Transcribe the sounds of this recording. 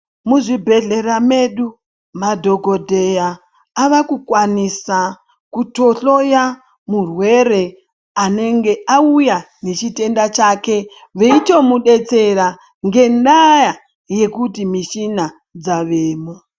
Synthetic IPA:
muʐibʱe̞ɮe̞rame̞ɗu | madʱo̞ɡʱo̞dʱe̞jaː | ʋakukwanisa | kuto̞ɬo̞ja | murwe̞ɾe̞ | ane̞ŋɡe̞ʔauja | ne̞t͡ʃite̞ndat͡ʃake̞ | ʋe̞ito̞muɗe̞t͡se̞ɾa | ŋɡe̞ndaja | je̞kutimiʃina | d͡zaʋeːmo

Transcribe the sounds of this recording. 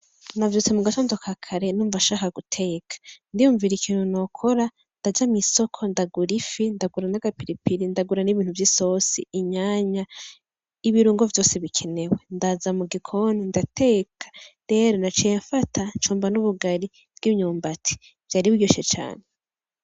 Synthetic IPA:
navjot͡semuɡatondo̞kʰakʰaɾe̞nuːɱvaʃaːkaɡutʰe̞kʰḁndijuːɱviɾikiːn̥huno̞kʰo̞ɾa | ndad͡ʒamiso̞kʰondaɡuɾifindaɡuɾanaɡapiɾipiɾindaɡuɾaniβiːn̥huvjiso̞sḭːɲaːɲa | iβiɾuːŋɡo̞vjo̞ːseβikʰe̞ne̞we̞ndazamuɡikʰo̞nindatʰe̞ːkʰḁdeɾonat͡ʃijeɱfatʰant͡ʃuːmbanuβuɡaɾi | b̥̚ɡ̥imɲuːmbatʰi̥ | v̥jaːɾiβiɡoʃet͡ʃa̰ːne

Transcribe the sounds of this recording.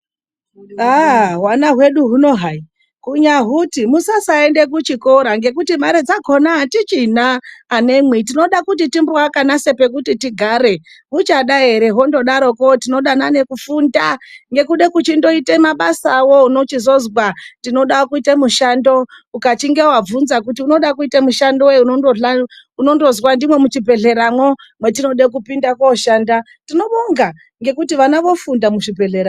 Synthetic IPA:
aɦwanaɦwe̞ɗuɦuno̞ɦai | kuɲaɦutimusasaende̞kut͡ʃiko̞ɾaŋɡe̞kutimaɾed͡zaɡʱo̞naːtit͡ʃinaːne̞mwitino̞ɗakut̬itimboakanase̞pe̞kutitiɡʱaɾe̞ | ɦut͡ʃaɗaeɾe̞ɦo̞ndo̞ɗaɾo̞kotinoɗanane̞kufundaŋɡe̞kuɗe̞kut͡ʃindo̞itemaɓasawo̞unot͡ʃizo̞zwatino̞ɗakuitemuʃando̞ | ukat͡ʃiŋɡe̞wab͡vunzakutiuno̞ɗakuitemuʃandoweunondoɮa | uno̞ndo̞zwandimwe̞mut͡ʃibʱe̞ɮe̞ɾamwo̞ | mwetino̞ɗek̬upindakoʃaːnda | tino̞ɓoŋɡa | ŋɡe̞kutiʋanaʋo̞fundamuʃibʱe̞ɮeɾa

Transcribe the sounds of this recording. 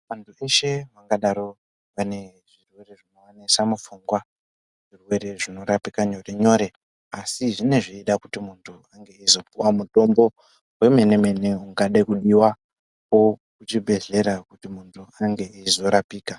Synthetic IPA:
ʋantʰue̞ʃe̞ʋaŋɡaɗaɾo̞ | ʋane̞ | ʐirwe̞re̞ʐino̞wanisamufuŋɡwa | ʐ̥irwe̞ɾe̞ʐino̞ɾapikaɲo̞re̞ɲo̞ɾe̞ | asiʐine̞ʐiiɗakutimuntʰuaŋɡe̞izo̞p̚uwamuto̞mbo̞ | we̞me̞ne̞me̞ne̞uŋɡaɗaikuɗiwa | ko̞kut͡ʃibʱe̞ɮe̞ɾakutimuntʰuaŋɡe̞izo̞ɾapiːka

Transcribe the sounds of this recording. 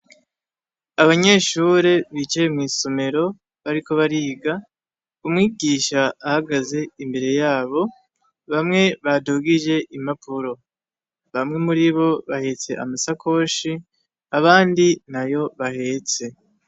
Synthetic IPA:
aβaɲe̞ːʃuːɾe̞βit͡ʃejemŋiːso̞me̞ɾo̞ | βaɾiko̞βaɾiːɡa | umŋiːɡiːʃaːhaɡaze̞imbe̞ɾe̞jaːβo̞ | βamŋe̞βadoːɡiʒe̞ʔimapʰuɾo̞ | βamŋe̞muɾiβo̞βahe̞t͡se̞̰ʔa̰masakʰo̞ːʃi | aβaːndinajo̞βahe̞t͡se̞

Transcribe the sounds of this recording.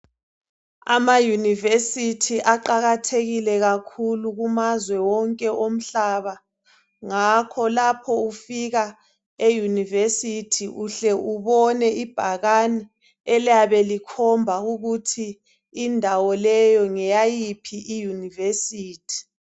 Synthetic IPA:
a̰majunivesitʰiʔaǃaɣatʰeɣilɛɣakʰuluɣumazwɛwɔŋkʼɛʔom̩ɬaβa | ŋakʰɔlapʰɔufiɣa | ejunivesitʰiʔuɬɛʔuβɔnɛʔib̥ʱaɣani | ɛljaβɛlikʰɔmbʱauɣutʰiː | ndʱawɔlɛjɔŋɛjajipʰiʔijunivesiːtʰi̥

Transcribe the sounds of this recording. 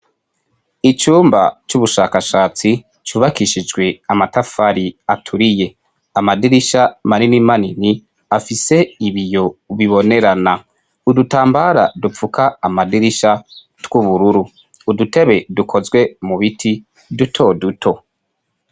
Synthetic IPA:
it͡ʃuːmba̰t͡ʃuβuʃaːkaʃaːt͡si | t͡ʃuβakiʃid͡ʒɡwe̞amatafaɾiatʰuɾije̞ | amadiɾiʃamaɾinimanini | afise̞iβijo̞βiβo̞ne̞ɾana | udutaːmbaɾa̰dup͡fukaːmadiɾiʃa | twuβuɾuɾuː | dute̞βe̞dukʰo̞zɡwe̞muβitʰi | dutʰo̞dutʰo̞

